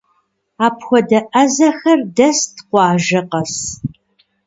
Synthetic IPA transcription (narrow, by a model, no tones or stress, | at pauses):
aːpxʷɔdɐʔɐzɐxɐrdɐstqʷɑːʒɐqɐs